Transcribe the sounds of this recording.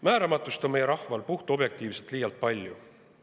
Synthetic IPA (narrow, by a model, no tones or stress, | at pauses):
mæːɾɑmɑt̪ːˑust̪o̞me̞jeɾɑhvɑlpuht̪uob̥je̞k̚t̪iːvset̪liːjɑlt̪̚pɑlʲːju